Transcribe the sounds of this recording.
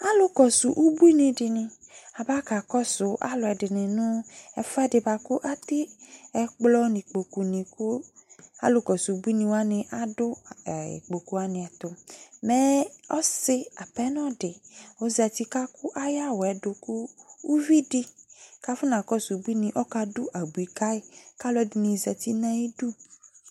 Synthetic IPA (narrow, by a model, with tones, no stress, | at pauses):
a˦lʊ˦kɔ˨su˨ʔu˦bu˦i˦nĩ˨dɪ˨nɪ̃˨a˨ba˦ka˨kɔ˦sʊ˨ʔa̰˦lʊ˨ɛ˨dɪ˨nɪ̃˨nʊ̃˦ɛ˨fɛ˦dɪ˨ba˨kʊ˦ʔa˦t̪ɪ˦ɛ˨k͡plɔ˦nĩ˨k͡po˨ku˨nĩ˨kʊ˦a̰˨˦lʊ˦kɔ˨su˨u˨˦bu˦i˦nĩ˨wa˦nɪ̃˨ʔa˦dʊ˦˨ḭ˨k͡po˨ku˨a˨nɪ̃˨ɛ˨t̪ʊ˨mɛ˦ɔ˦sɪ˦a˨pɛ˦nɔ̃˦ɖɪ˨wo˦zɛ˨t̪i˦ka˦kʊ˦ʔa˦ja˦wɔ˨ɛ˨ɖo˨ku˦wu˦vi˦di˦ka˦fʊ˦nã˨kɔ˦su˨bu˦i˦nĩ˨ʔɔ˦ka˧dʊ˦ʔa˨bu˨i˨ka˦e˨ka˦lɔ˦di˨nĩ˨zɛ˨t̪i˦nã˦i˦ɖu˦